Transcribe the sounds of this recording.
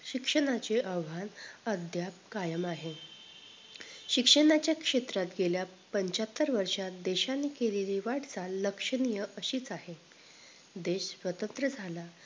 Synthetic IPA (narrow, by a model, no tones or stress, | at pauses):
ɕikʂəɳat͡ɕeʔəʋʋanəd̪ʱjap̚kajəmaɦe | ɕikʂəɽat͡ɕjakʂet̪ɾat̪ɡeljapəɲt͡ɕat̪ːəɾʋəɾʂat̪d̪eɕanekeliliʋaʈt͡saləkʂəɳijəʔəɕiːt͡sahe | d̪eɕsʋət̪ənt̪ɾəd͡zʱala